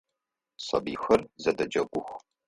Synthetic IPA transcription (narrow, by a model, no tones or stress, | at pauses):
sɐ̰bixɐrzɐdɐd͡ʒɐɡʷʊxʷ